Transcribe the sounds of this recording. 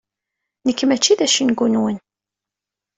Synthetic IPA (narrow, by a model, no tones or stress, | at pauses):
nəkːmæt͡ʃːiðæʃinɡunwən